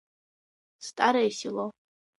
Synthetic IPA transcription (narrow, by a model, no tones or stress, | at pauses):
stʼaɾajsilo